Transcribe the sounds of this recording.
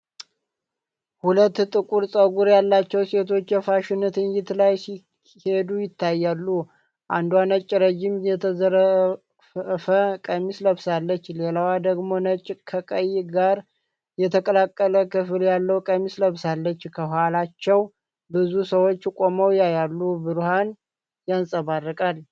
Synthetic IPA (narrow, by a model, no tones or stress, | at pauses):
hulət̪ːt̪ʼɨkʼuɾsʼəɡuɾjalːat͡ʃːɛwse̞t̪ʰo̞t͡ʃːjɛfaʃɪnɨt̪ɨnjɪt̪lajsi | he̞d̪ujɪt̪ʰːajːalːu | ʔand̪wanət͡ʃʼːɾəd͡ʒimjɛt̪ʰəzəɾ | fəkʼəmisləβsalːət͡ʃːlelawad̪əɡmo̞nət͡ʃʼkʰəkʼəjːɡaɾ | jɛt̪ʰəkʼəlakʼːələkɨfɨljalːəwkʼəmisləβsalːət͡ʃːkʰəhalat͡ʃːɛw | bɨzusəwo̞t͡ʃːkʼo̞məwjajalːubɨɾuhan | jansʼəβarːɨkʼal